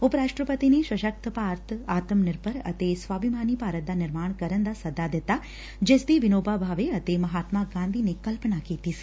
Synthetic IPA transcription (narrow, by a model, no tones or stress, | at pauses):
ʊpɾaːʃʈɾəpət̪ineʃɐʃək̚t̪ʰpaːɾt̪ʰaːt̪əmnɪɾpəɾɐ̰t̪esʋaːbɪmaːnipaːɾət̪̚d̪anɪɾmaːɳ̃kɐɾənd̪asɐd̪ad̪ɪt̪a | d͡ʒeːsd̪iʋɪnoːbabʱaːʋeɐt̪emɐɦaːt̪maɡãːnd̪ʱinekɐlpənakiːt̪isi̥